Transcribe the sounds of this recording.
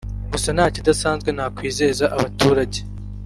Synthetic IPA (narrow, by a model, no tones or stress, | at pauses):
ɡusanaːcidasaːnzɡwe̞nhakwiːze̞zaʔaβatuːɾaɟe